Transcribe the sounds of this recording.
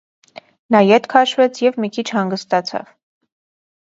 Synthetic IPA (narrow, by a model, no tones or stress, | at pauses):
nɑjɛt̪kʰɑʃvɛt͡sʰjɛvmikʰit͡ʃʰhɑŋɡəst̪ɑt͡sʰɑ̰v̥